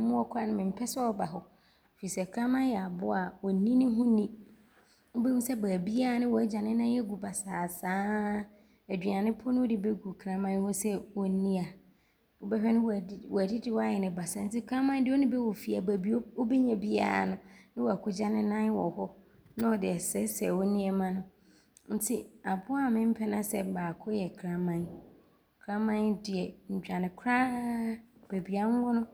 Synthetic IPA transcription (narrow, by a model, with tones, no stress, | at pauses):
mʊ̃˦wɔ˦kʰʷa˦nʊ̃˦mɪ̃˨m̩˨pʰɛ˦sɛ˦ɔ˦ba˨ɦɔ˨ | fi˨sɛ˨kʰɾã˦mã˦jɛ˨a˨bʊ˦a˨wɔ˨nĩ˦nɪ̃˦ɦʊ̃˦nĩ˦ | ʊ˦bɛ˦ũ˦sɛ˦baː˨bi˦a˦a˨nɪ̃˦wɔ˨æ˦d͡ʑã˨nɪ̃˦nã˦ɛ˦ɡu˨ba˨saː˨sãː˦ | æ˨dᶣi˨a˨nɪ̃˦pʰɔ˦nʊ̃˦ʊ˦dɪ˦bɛ˦ɡu˨kʰɾã˦mã˦jhʊ˦sɛ˦wɔ˨˦nĩ˦a˨ | wɔ˨bɛ˦hᶣɛ˦nʊ̃˦wwɔ˨æ˨di˦dɪ˨wɔ˦a˦˨jɛ˨nɪ̃˨ba˨sa˨n̩˦tʰɪ˦kʰɾã˦mã˦n˦dɪ˦ɔ˦nʊ̃˦bɛ˦wɔ˨fi˨a˨bæ˨bi˦o˦wo˦bɛ˦ɲɛ̃˨bi˦a̰˨a̰˨nʊ̃˨nɪ̃˦wɔ˨a˨kʰʊ˦d͡ʑa˦nɪ̃˦nã˦wɔ̰˨hɔ˦ | nã˦ɔ˨dɪ˨ɛ˨sɛ˦sɛ˨wɔ˦nĩ˦ɛ˨mã˦nʊ̃˦ | n̩˦tʰi˦a˨bʊ˦a˦˨mɪ̃˦m̩˦pʰɛ˦nã˦sɛ˨baː˨kʰʊ˦jɛ˨kʰɾã˦mã˨n | kʰɾã˦mã˦ndɪ˨ɛ˨ɲ̩˨d͡ʑᶣa˨nɪ̃˨kʰɾa˦ | b̥e˨bi˨a˨ŋ˦ɡʊ˦nʊ̃˦